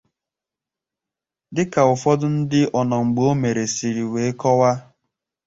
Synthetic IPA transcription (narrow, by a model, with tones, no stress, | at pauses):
dɪ˦ka˨ʊ˨fɔ˦dʊ˦n̩˦dɪ˦ʔɔ˨nɔ˨ŋ͡m̩˨ɡ͡bo˦me˨ɾe˨si˨ɾi˨we˨e˦kɔ˦wa˦